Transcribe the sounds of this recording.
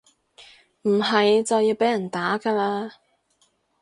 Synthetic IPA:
m̩˨˩ɦɐ˨jt͡sɐ˨wjiː˧wpe˨˥jɐ˨˩nt̪aː˨˥kaː˧laː˧

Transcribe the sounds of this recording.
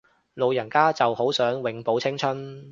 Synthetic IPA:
lo˨˧wjɐ˨˩nkaː˥t͡sɐ˨who˨˥wsœː˨˥ŋwɪ˨˧ŋpo˨˥wt͡sʰɪ˥ŋt͡ʃʰɵ˥n

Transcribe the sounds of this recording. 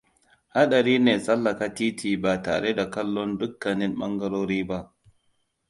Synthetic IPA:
ha˦ɗɐ˨ɾiː˦neː˨sʼɐ˦lːɐ˨ka˦tiː˦tʰiː˨baː˨ta̰ː˨ɽe˦da˨kɐ˦lːɔ˦ndʊ˦kːɐ˨nɪ˦mɓɐ˦ŋɡɐ˦ɽoː˦ɾiː˦ba˦ʔ

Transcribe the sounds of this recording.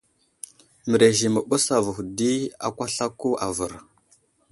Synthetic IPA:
mə˨ɾe˨ʒi˨mə˨ɓu˦sa˨və˨xdi˦a̰˦kʷa˦ɬa˦kːu˦a̰˨və˨ɾ

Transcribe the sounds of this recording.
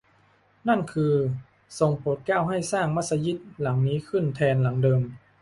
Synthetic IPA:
na˥˩nkʰɯː˧ | so˧˦ŋpʰoː˨˦t̪̚kaː˥˩wɦa˥˩jsaː˥˩ŋma˧˥t̪sa˧ji˧˥˩t̪̚la˩˦ŋniː˦˥kʰɯ˧˥˩nt̪ʰɛː˧nla˩˦ŋdɤː˧m

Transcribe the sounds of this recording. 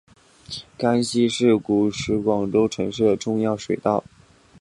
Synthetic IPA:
ka˥nɕi˥ʂɻ̩˥˩ku˨˩ʂɻ̩˧˥kwɑ˨˩ŋʈ͡ʂo˥ʊʈ͡ʂʰɤ˧˥ŋʂɻ̩˥˩d̪ə˩ʈ͡ʂʊ˥˧ŋjɑ˥˩ʊʂwe˨˩ɪt̪ɑ˥˩ʊ

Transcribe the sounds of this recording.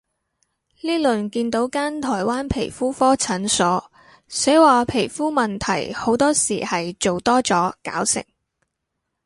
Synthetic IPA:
liː˥lɵ˨nkiː˧nt̪o˨˥wkaː˥nt̪ʰɔː˨˩jwaː˥npʰe˨˩jfuː˥fɔː˥t͡sʰɐ˨˥nsɔː˨˥ | se˨˥waː˨pʰe˨˩jfuː˥mɐ˨nt̪ʰɐ̰˨˩jho˨˥wt̪ɔː˥siː˨˩hɐ˨jt͡so˨wt̪ɔː˥t͡sɔː˨˥ka̰ː˨˥wsɪ̰˨˩ŋ

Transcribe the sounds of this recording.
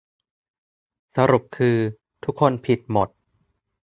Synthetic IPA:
sa˧ɾu˨˩p̚kʰɯː˧ | t̪ʰu˦˥kʰːo˧npʰi˨˩t̪̚mo˨˩t̪̚

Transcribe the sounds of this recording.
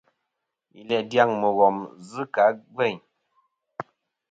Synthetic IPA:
ḭ˨lɛ˨dja˦˨ŋmə˨ɣɔ˨mzɨ˦ka˨˦ɡwɛ˦˨ɲ

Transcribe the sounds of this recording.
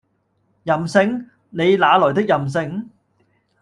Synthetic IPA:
jɐ˨˩msɪ˧ŋ | ne˨˧jlaː˨˧lɔː˨˩t̪ɪ˥k̚jɐ˨ms̬ɪ˧ŋ

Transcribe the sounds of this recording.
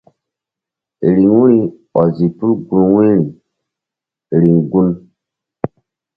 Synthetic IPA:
ɾi˨ŋwu˦ɾi˦ | ɔ˨zi˨pu˦lɡu˦nwi˦ɾi˨ | ɾi˨ŋɡu˦n

